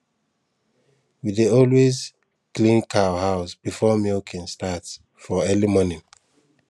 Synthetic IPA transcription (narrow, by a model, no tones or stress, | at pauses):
wideɔlwez | klĩnkʰawhaʊsb̥ifɔmikʰɛ̃nstat | fɔɛlimɔnĩn